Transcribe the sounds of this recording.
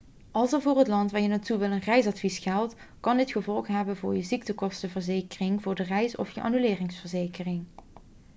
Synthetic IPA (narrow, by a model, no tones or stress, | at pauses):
ɑlˠsəɹvʊːrɦətlɑntʋaːɹjənatuʋɪlˠənrɛjsɑtfisxɛlˠt | kɑndɪtχəvɔlˠχɦɛbənvʊːɹjəzik̚təkɔstəvəɹzejkərɪŋvʊːɹdərɛjsɔ̰fjəʔa̰ːnylɪːrɪŋsfəɹzejkərɪŋ